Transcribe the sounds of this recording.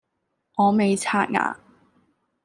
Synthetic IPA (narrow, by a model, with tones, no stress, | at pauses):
ŋɔː˨˧me˨jt͡sʰaː˧˥t̚ŋa̰ː˧